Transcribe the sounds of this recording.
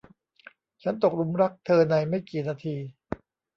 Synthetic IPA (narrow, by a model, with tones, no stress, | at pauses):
t͡ɕʰa˦˥nt̪o˨˩k̚ɾu˧˥mɾa˦˥k̚t̪ʰɤː˧na˧jma˥˩jkiː˨˩naː˧t̪ʰiː˧